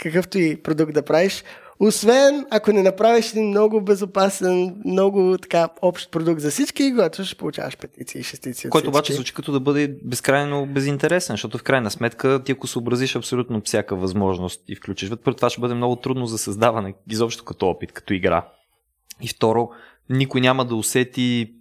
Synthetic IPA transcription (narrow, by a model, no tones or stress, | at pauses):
kɐkɤft̪oipɾod̪uk̚t̪d̪ɐpɾaviʃ | osvɛnɐkonɛnɐpɾaviʃɛd̪inmnɔɡʊbɛzopasɛnmnɔɡʊt̪ɐ̥kaɔpʃt̪̚pɾod̪uk̚t̪zɐsit͡ʃkikoɡat̪ʊʃɛ̥pʊlˠʊt͡ʃa̰vəʃpɛt̪it̪siə̰iʃɛst̪it̪siəkɔjt̪oːbat͡ʃɛzvut͡ʃi̥kɐt̪ɔd̪ɐbɤd̪ɛbɛskɾajnobɛzint̪ɛɾɛsɛnʃt̪ɔt̪ʊfkɾajnəsmɛt̪kət̪iɐkosobɾɐziʃɐpsolʲut̪nofsʲjakəvɐzmɔʒnost̪ifklʲut͡ʃiʃvət̪pɾt̪vaʃɛbɤd̪ɛmnɔɡʊt̪ɾud̪nozɐsɐzd̪avɐnɛizɔpʃt̪t̪o̥kɐt̪ɔɔpit̪kɐ̥t̪ɔiɡɾa̰ | ift̪ɔɾo | nikʊjnʲaməd̪ɐosɛt̪i